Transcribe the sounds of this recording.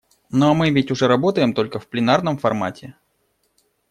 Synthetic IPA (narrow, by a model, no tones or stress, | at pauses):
noamɨvʲɪtʲʊʐɛɾɐbot̪əjɪmt̪o̞lʲkəfplʲɪnarn̪əmfɐrma̰tʲɪ